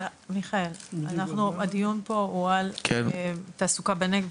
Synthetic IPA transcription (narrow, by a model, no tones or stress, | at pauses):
miχaelanaχnuad̪ijunpo̞ualket̪asukabeneɡ